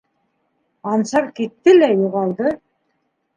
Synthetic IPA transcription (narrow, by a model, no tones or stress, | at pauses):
ɑnʃɑɾkit̪ːɘlæjuʁɑlˠd̪ɤ